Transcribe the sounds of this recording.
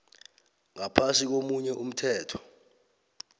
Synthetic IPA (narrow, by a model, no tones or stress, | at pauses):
ŋapʰansik̬omuɲɛʔum̩tʰɛːtʰɔ̥